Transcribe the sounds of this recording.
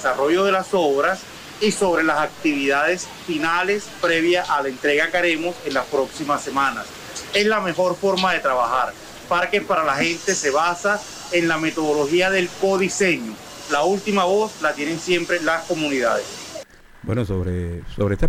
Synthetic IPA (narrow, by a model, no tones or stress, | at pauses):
saro̞ʝo̞ð̞e̞laso̞βɾas | iso̞βɾe̞lasak̚t̪iβ̞iðað̞e̞s | finale̞spɾe̞βjaʔalaent̪ɾe̞ɣakaɾe̞mose̞nlaspɾo̞ksimasːe̞mãnas | e̞slame̞xo̞ɾfo̞ɾmaðe̞t̪ɾaβaxaɾ | paɾke̞spaɾalaxe̞nt̪e̞se̞βasa | enlame̞t̪o̞ð̞o̞lo̞xiaðe̞lko̞ðise̞ɲo | lault̪imaβo̞slat̪je̞ne̞nsje̞mpɾe̞lasko̞mũniðaðḛs | bwḛnosoβɾesoβɾeest̪